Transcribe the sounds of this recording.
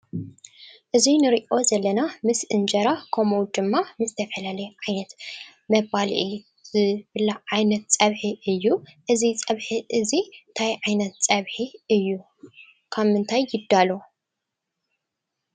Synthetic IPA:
ʔɨzinɨɾiʔo̞zɐlːɐnamɨsʔɨnd͡ʒɐɾakʰomowd̪ɨmːamɨzt̪ʰɐfɐlalɐjʕajnɐt̪ | mɐβalʔi | zɨbɨlːaʕajnɐt̪t͡sʼɐβħiʔɨjːuʔɨzit͡sʼɐβħiʔɨzint̪ʰajʕajnɐt̪t͡sʼɐβħiɨjːu | kʰaβmɨnt̪ʰajːɪd̪ːalo

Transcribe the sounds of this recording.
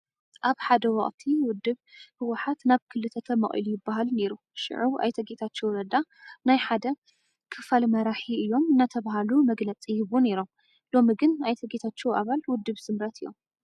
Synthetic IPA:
ʔaβħad̪ɐwɐχʼt̪ʰiwʊd̪ːɨβhɨwaħat̪naβkʰɨlːɨt̪ʰɐt̪ʰɐmɐ̰χʼʔḭlujɪbːaɦalne̞ɾu | ʃɪ̰ʕuwʔa̰jt̪ʰɐɡet̪ʰat͡ʃːewɾɐd̪anajħad̪ɐ | kʰɨfalmɐɾaħiɨjːo̞mɨnːat̪ʰɐβaɦalumɐɡlɐt͡sʼijɨβune̞ɾo̞m | lo̞miɡɨnʔajt̪ʰɐɡet̪ʰat͡ʃːewʔaβalwʊd̪ːɨβsɨmɾɐt̪ʰɨjːo̰m

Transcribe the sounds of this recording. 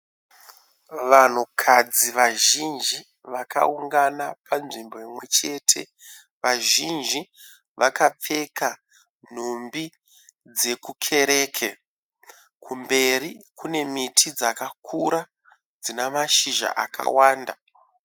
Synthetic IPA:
ʋan̤ukʰad͡ziʋaʒind͡ʒi | ʋaka̰uŋɡanapanʐimbo̞imwe̞t͡ʃe̞ːtʰe̞̰ | ʋaʒind͡ʒi | ʋakap͡fe̞ka | n̤ombi | d͡ze̞kukʰe̞ɾe̞ːkʰe | kumbe̞rikune̞mitʰid͡zakakʰuɾa | d͡zinamaʃiʒa̰ʔa̰ka̰waːnda

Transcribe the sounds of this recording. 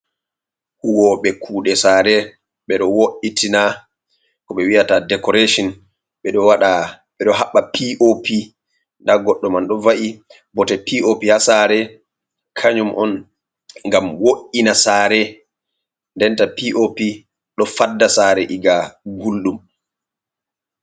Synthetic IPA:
huwɔɓɛkʰuːɗɛsaːɾɛ | ɓɛɗɔwoʔitʰina | kɔɓɛwijatadɛkɔɾeʃɔn | ɓɛɗɔwaɗa | ɓɛɗɔɦaɓːapʰiʔopʰi | ndaɡɔɗːɔmanɗɔvaʔi | bɔtɛpiʔopihasaɾɛ | kʰaɲumʔɔn | ŋɡamwoʔːinasaːɾɛ | ndɛntapiʔopi | ɗɔfadːasaːɾɛʔiɡaɡulɗum

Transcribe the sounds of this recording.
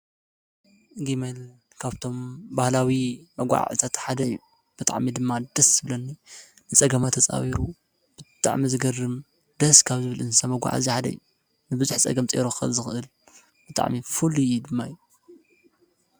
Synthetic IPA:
ɡimel | kʰaβt̪ʰo̞mbahlawimɐɡʷa̰ʕɨ̰t̪ʰat̪ħad̪ɐjːu | b̥ɨt̪ʼa̰ʕmid̪ɨmːad̪ɐsɨbɨlɐnːi | nɨt͡sʼɐɡɐmat̪ʰːɐt͡sʼa̰wiɾu | b̥ɨt̪ʼa̰ʕmizɨɡɐrɨm | d̪ɐskʰaβzɨβɨlɨnsɐmɐɡʷa̰ʕa̰ziħad̪ɐ̰jːu | nɨbɨzuħt͡sʼɐ̰ɡɐmt͡sʼḛɾoxxɨ̰lzɨxɨʔɨl | b̥ɨt̪ʼa̰ʕmifulujd̪ɨmːajːu

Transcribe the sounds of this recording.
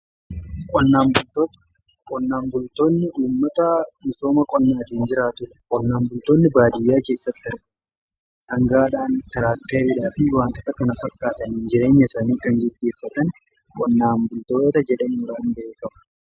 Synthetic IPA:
kʼɔnːaːmbʊlt̪oːt̪ɐ̥ | kʼɔnːaːmbʊlt̪o̞ːnːɪʔuːmːɐt̪ɐmɪso̞ːmɐkʼɔnːaːt̪ihɪnd͡ʒɪɾaːt̪ʊʔkʼɔnːaːmbʊlt̪o̞ːnːɪbaːd̪ɪjːaːke̞ːsːɐt̪ːɪɾ | hɐŋɡaːᶑaːnt̪ɪɾaːk̚t̪ːeːɾiːᶑaːfɪwaːnt̪ɔt̪ːɐkɐnɐfɐkʼːaːt̪ɐnhɪnd͡ʒɪɾe̞ːɲːɐsaːniːkɐŋɡɪd̪ːe̞ːfːɐt̪ɐn | kʼɔnːaːmbʊlt̪oːt̪ɐd͡ʒɛᶑɐmuːᶑaːnd̪ɐeːkɐmɐ

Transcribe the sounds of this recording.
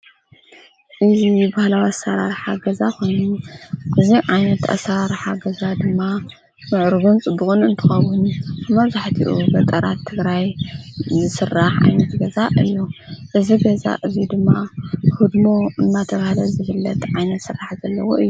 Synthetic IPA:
ʔɨzibahlawiasaɾaɾħaɡɐzako̞jnuʔɨziʕajnɐt̪a̰saɾaɾħaɡɐzad̪ɨmːa | mɨʕɾɡunt͡sʼbɨxunɨnt̪ʰɨxɐwːʊnɨmɐβzaħt̪ʰḭʔṵbɐt̪ʼɐɾa̰t̪ʰːɨɡɾajzɨsɨrːaħʕa̰jnɐt̪ɡɐzaʔɨjːuʔɨziɡɐza̰ʔɨzid̪ɨmːahud̪mo̞ɨnːat̪ʰɐβahlɐzɨβɨlːɐt̪ʕajnɐt̪sɨraħzɐlːɐwoɨjːu

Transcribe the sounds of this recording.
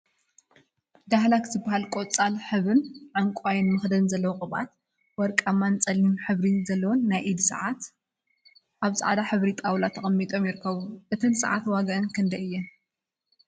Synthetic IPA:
d̪ahlakzɨbːahalkʼot͡sʼalħɨβɨnʕaŋkʼajɪnmɨxd̪ɐnzɐlːɐwokʼɨβʔa̰t̪ | wɔɾkʼamːant͡sʼɐlːimħɨβɾizɐlːɐwonːajʔid̪sɨ̰ʕat̪ | ʔaβsʼɨ̰ʕd̪aħɨβɾit̪ʼawlat̪ʰɐχʼɐmːit̪ʼomjɪɾɨkʰːɐβuʔɨt̪ʰɨnsɨ̰ʕa̰t̪waɡɐʔɨnkʰɨnd̪ɐʔɨjːɛn

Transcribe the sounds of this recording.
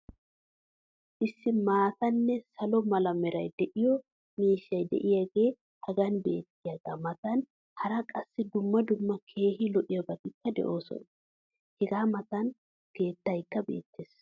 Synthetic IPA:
ʔɪsːɪmaːt̪ɐnːɛsɐlɔmɐlɐmɛɾɐjd̪ɛʔɪjɔ | miːʃːɐjd̪ɛ̰ʔɪjaːɡe̞ː | hɐɡɐnbe̞̰ːt̪ːɪjaɡɐaːmɐt̪ɐn | hɐɾɐkʼɐsːɪd̪ʊmːɐd̪ʊmːɐkʰe̞ːɦɪlɔʔɪjɔbɐɡ̪ɪkːɐd̪ɛ̰ʔo̞ːsɔ̰n | hɛɡaːmɐt̪ɐn | ke̞ːt̪ːɐjkːɐbḛːt̪ːeːs

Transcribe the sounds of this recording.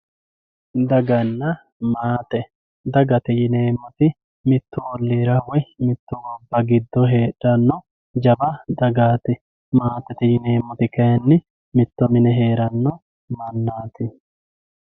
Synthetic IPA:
d̪ɐɡɐnːɐ | maːt̪ɛ | d̪ɐɡɐt̪ɪjɪne̞ːmːɔt̪ɪ | mɪt̪ːʊwɔlːiːɾɐwɔjmɪt̪ːʊɡɔbːɐɡɪd̪ːɔɦeːᶑɐnːɔ | d͡ʒɐbɐd̪ɐɡaːt̪ɪ | maːt̪ɛt̪ɪjɪne̞ːmːɔt̪ɪkɐjɐnːɪ | mɪt̪ːɔmɪnɛɦeːɾɐnːɔ | mɐnːaːt̪ɪ

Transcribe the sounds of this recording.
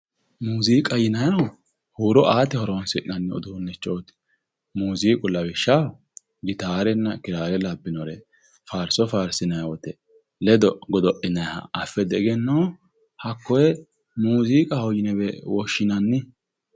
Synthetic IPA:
muːziːkʼɐjɪnɐjɐɐ | huːɾɔʔaːt̪ɛhɔɾɔnsɪʔɪnɐnːɪɔ̰d̪ʊnːɛt͡ʃʼːoːt̪ɪ̥ | muːziːkʼʊlːɐbɪʃːɐ | ɡɪt̪aːɾɛnːɐkɪɾaːɾɛlɐbːɪnɔɾɛ | faːɾsɔfaːɾsɪnɐjwɔt̪ɛ | lɛd̪ɔɡɔd̪ɔʔɪnɐjhɐ̰ʔɐfːɛd̪ɛɡɛnːɐw | hɐkːɔjɛ | muːziːkʼɐhɔjɪnɛbɛwɔʃːɪnɐnːɪ

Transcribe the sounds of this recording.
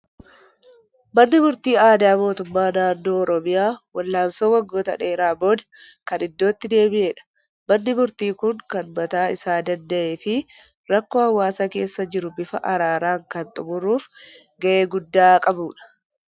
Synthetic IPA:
mɐnːɪmʊɾt̪iːaːd̪aːmo̞ːt̪ʊmːaːnaːnːo̞ːɔɾɔmɪjaːwɐlːaːmsoːwɐɡːo̞ːt̪ɐ̰ᶑeːɾaːbo̞ːd̪ɐ̥kɐnɪd̪ːo̞ːt̪ːɪd̪e̞ːbɪʔeːᶑɐ̥ | mɐnːɪmʊɾt̪iːkʊŋkɐnbɐt̪aːɪsaːd̪ɐnd̪ɐʔe̞ːfɪ | ɾɐkːoːhɐwːaːsɐke̞ːsːɐd͡ʒɪɾʊbɪfɐ̰ʔɐɾaːɾaːŋkɐnt̪ʼʊmʊrːuːf | ɡɐʔeːɡʊd̪ːaːkʼɐbuːᶑɐ̥

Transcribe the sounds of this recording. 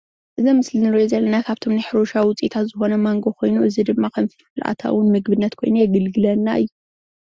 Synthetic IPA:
ʔɨzimɨslɨnɨɾɐjozɐlːɐnakʰaβt̪ʰo̞mnaħɾoʃawwʊt͡sʼit̪ʰat̪zɨxo̞nɐmaŋɡo̞kʰo̞jnuʔɨzid̪ɨmːakʰɐmfifɨlʔa̰t̪ʰa̰wɨnmɨɡbɨnːɐt̪kʰo̞jnujɛɡɐlɡɨlɐnːa̰ʔɨjːu

